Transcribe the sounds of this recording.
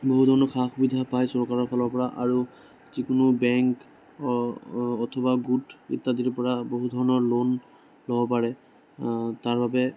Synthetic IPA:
boɦudʱɔɹɔnɔkʰaxubidʱapajsɔɹkaɹɔɹpʰɔlɔɹpɔɹaʔaɹu | zikʊnubɛŋk | ɔtʰɔbaɡutḭtːadiɹpɔɹaboɦudʱɔɹɔnɔɹlon | lɔbɔpaɹɛ | taɹbabɛ

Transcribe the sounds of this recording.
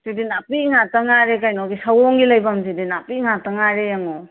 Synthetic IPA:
zidinapiŋataŋaɾekajnɔɡisawɔŋɡilajbamzidinapiŋataŋaɾejaŋɔ

